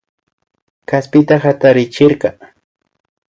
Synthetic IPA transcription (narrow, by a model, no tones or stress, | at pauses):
kaspɪt̪axat̪aɾɪt͡ʃɪɾkɑ